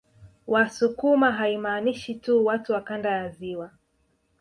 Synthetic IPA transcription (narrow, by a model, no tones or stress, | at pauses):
wasukumaɦaimaːniʃituwatuwakandajaziwa